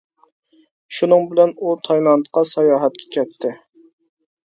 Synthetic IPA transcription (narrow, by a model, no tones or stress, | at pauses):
ʃunɨŋbɪlɛnut̪ʰɑjnɑnt̪qʰɑsɑjɑːɦɛt̪̚kʲʰɛ̥kʲʰɛt̪ʰːɪ